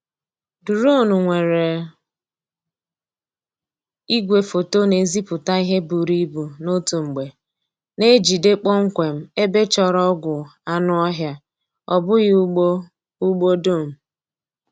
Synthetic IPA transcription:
du˨ɾo˦˨nu˨ŋʷe˨ɾe˨ | i˦ɡʷe˨fo˨to˦ne˨zi˦pʊ˨ta˦i˦ɦe˦bu˨ɾi˦bu˨no˦tu˨ŋ͡m̩˨ɡ͡be˨ | ne˦d͡ʒi˨de˦k͡pɔ˦ŋ̩˦kʷe˨m̩˦e˦be˦t͡ʃɔ˦ɾɔ˦ɡʷʊ˨a˦nʊ˦ɔ˦ɦja˦ | ɔ˨bʊ˦ɣɪ˦ | u˦ɡ͡bo˦do˦˨m̩˨

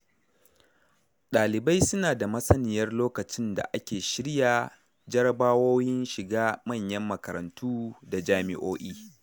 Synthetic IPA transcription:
ɗaː˨lɪ˨ba˦jsʊ˦naː˨da˨mɐ˦sɐ˦nɪ˨jɐ˦rloː˦kɐ˨t͡ʃɪ˦nda̰˨ʔa˦kʲeː˨ʃɪ˦ɽjaː˨ | d͡ʒɐ˦ɾɐ˦baː˦woː˦jɪ˦nʃɪ˨ɡaː˦mɐ˦˨ɲjɐ˦mːɐ˨kɐ˨ɾɐ̰˨ntʰuː˦da˨d͡ʒaː˦mɪ̰˦ʔoː˦ʔiː˦

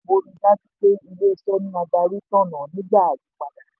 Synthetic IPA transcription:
bo˧nĩ˧la˦ti˦k͡pe˦i˧le˦˨sɔ˦nĩ˦a˧ɡ͡ba˧ɾu˦tã˦˨nã˨nĩ˨˦ba˦˨a˨lu˨˦k͡pa˨da˨

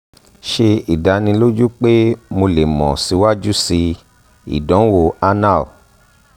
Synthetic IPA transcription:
ʃe˧i˨da˨˦nĩ˧lo˦d͡ʒu˦k͡pe˦mo˧le˨mɔ̰̃˨si˧wa˦d͡ʒu˦si˧ | ḭ˨dɔ̃˨˦wo˦˨a˦na˦˨

